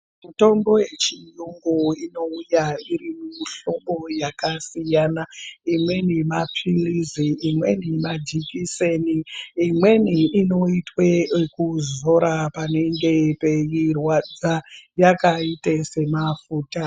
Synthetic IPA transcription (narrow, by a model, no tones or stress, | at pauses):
muto̞mbo̞je̞t͡ʃijuŋɡuino̞ujaiɾimumiɬo̞mbo̞jakasijanaimwe̞nemapʰiriziːmwe̞nimad͡ʒikiseniːmwe̞niino̞itwekuzo̞ɾapane̞ŋɡe̞pejirwad͡zajakaitese̞mafuːta